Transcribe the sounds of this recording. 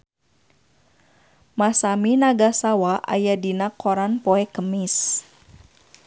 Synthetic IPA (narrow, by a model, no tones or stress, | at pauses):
masaminaɡasawaʔa̰jadinakʰoɾanpoɛkəmis